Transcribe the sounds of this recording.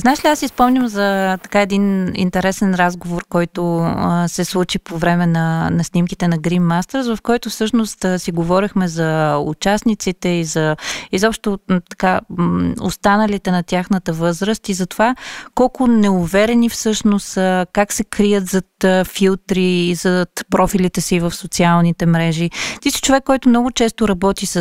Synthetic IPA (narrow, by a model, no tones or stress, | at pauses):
znaɛʃliasispɔmɲʲəmzɐt̪ɐ̥kaɛd̪inḭnt̪ɛɾɛsɛnɾazɡovoɾkɔjt̪osɛslˠut͡ʃipovɾɛmɛnɐnɐsnimkit̪ɛnɐɡɾinmast̪əɾsvɐfkɔjt̪ʊfsɤʃnost̪siɡovɔɾixmɛzɐṵt͡ʃasnit̪sit̪ɛizɐizɔpʃt̪ʊt̪ɐ̥ka | o̰st̪anəlit̪ɛnɐt̪ʲjaxnət̪əvɤzɾəst̪izɐt̪ovakɔlˠkʊnɛʊvɛɾɛnifsɤʃnosəkaksɛkɾijət̪zɐt̪filˠt̪ɾiːzɐt̪pɾɔfilit̪ɛsiːvəfsot̪sialˠnit̪ɛmɾɛʒit̪isi̥t͡ʃovɛkːɔjt̪ʊmnɔɡʊt͡ʃɛst̪ʊɾɐbɔt̪is